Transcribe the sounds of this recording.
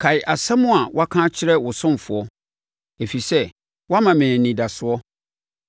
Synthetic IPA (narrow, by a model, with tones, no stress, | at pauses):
kʰa˨ɪ˨ʔa˨sã˦mʊ̃˦a˨wa˦kʰã˦t͡ɕʰɪ˦ɾɛ˦wʊ˨sʊ̃˦m˨fʊ˨ɔ˦ | e˨fi˨sɛ˦ | wa˦mã˨mɛ̃ː˨nĩ˨da˨sʊ˨˦ɔ˦